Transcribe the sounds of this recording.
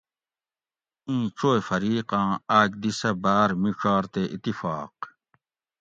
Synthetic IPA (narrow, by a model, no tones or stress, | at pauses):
ĩːʈ͡ʂʰoːefɐɾiːqãːaːd͡ʑ̚d̪isɐbaːɾmiʂʰaːɾt̪eʔit̪ːifaːq̚